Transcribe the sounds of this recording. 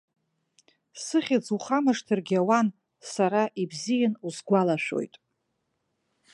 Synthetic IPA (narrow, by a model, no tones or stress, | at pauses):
sɨχʲad͡zuχamɨʂtʰɨrɡʲawan | saɾaʔibzijanuzɡʷalaʃᶣo̞̰jtʼ